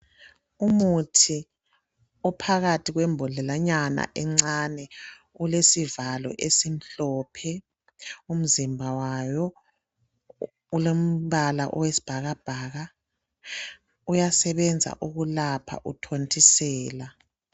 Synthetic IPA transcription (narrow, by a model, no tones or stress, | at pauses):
umutʰi | ɔpʰaɣatʰiɣwɛmbʱɔɮɛlaɲana̰ʔɛŋ͡ǀanɛ | ulesivalɔ̰ʔesim̩ɬɔːpʰɛ | um̩zimbʱawajɔ | ulom̩βala̰ʔɔwesi̥b̥ʱaɣab̥ʱaːɣa | ujasɛβɛnd͡zʱa̰ʔuɣulapʰa̰ʔutʰontʰʼisɛːla